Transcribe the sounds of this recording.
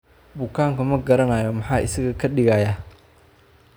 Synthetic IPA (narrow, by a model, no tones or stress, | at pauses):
bʊkʰaːŋkʊmɐɡɐɾɐnaːjɔmɐħɑːʔɪ̰sɐɣɐkʰɐɗɪɣaːjaː